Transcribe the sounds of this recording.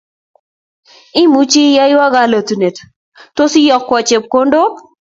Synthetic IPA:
ɪ˦mu˦t͡ʃi˦ja˦jwa˦ɡa˨lə˨tu˨ne˨t | to˦si˦jɔ˨kːwɔ˨t͡ʃe˨p̚ko˦ndo˦

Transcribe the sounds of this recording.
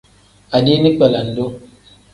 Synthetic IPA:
a˨di˦ni˦k͡pɛ˨la˨n̩˨do˦

